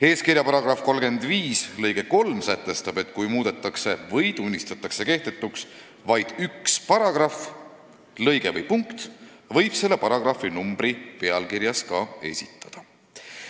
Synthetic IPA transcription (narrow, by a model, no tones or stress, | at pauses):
e̞ːskiɾjɑpɑɾɑɡ̥rɑfko̞lɡ̥e̞nd̪̥viːslɤjɡ̥e̞ko̞lmsæt̪ːˑe̞st̪ɑb̥e̞t̪ˑkujmuːd̪̥e̞t̪ːˑɑkse̞vɤjt̪unʲːist̪ɑt̪ːˑɑkse̞ke̞ht̪e̞t̪ːˑuks | vɑjd̪̥ykspɑɾɑɡ̥rɑf | lɤjɡ̥e̞vɤjpuŋkt̪ | vɤ̞jb̥se̞lːe̞pɑɾɑɡ̥rɑfːinumb̥ripe̞ɑlkiɾjɑskɑe̞̰sʲit̪ːˑɑ̥d̪̥ɑ